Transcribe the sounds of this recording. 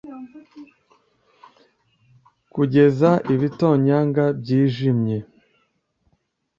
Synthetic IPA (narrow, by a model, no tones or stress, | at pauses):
kuɟe̞zaʔiβito̞ːɲaːŋɡabɟiːʒimɲe̞